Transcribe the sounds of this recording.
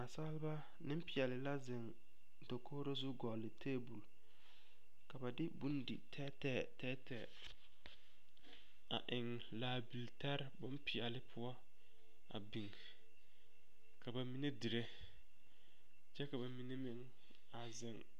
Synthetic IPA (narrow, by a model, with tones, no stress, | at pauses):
a˨sa˦lɪ˦ba˦ | nɪ̃˦m˦pɪ˨a˨lɪ˨la˦zɪ˨ŋ | do˨kʰoː˦ɾo˦zu˦ɡɔ˨lːɪ˨tʰeː˦bu˨l | ka˨ba˨dɪ˦bu˦ndɪ̰˨tʰɛ˦tɛː˦˨tɛː˦tɛː˨ | a̰˨ʔɪ˨ŋ | laː˨bi˨lta˦ɾbʊ˦m˦pɪ˨a˨lɪ˦pʰʊ˦ɔ˦ | a̰˨bi˨ŋ | ka˨ba˨mi˦ne˦di˨ɾe˦ | t͡ʃɛ˦ka˨ba˨mi˨ne˦mɪ˨ŋ | a˨zɪ˨ŋ